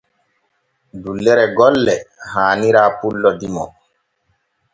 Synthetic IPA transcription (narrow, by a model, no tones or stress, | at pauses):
dulːɛɾɛɡɔlːɛhaːniɾaːpulːɔdimɔ